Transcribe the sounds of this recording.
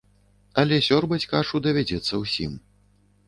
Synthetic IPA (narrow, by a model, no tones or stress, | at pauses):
ɐlʲɛsʲɔrbɐt͡sʲkaʂud̪ɐvʲad͡zʲɛt̪sːɐwsʲim